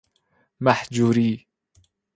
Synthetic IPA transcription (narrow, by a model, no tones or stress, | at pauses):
maħd͡ʒuɾiː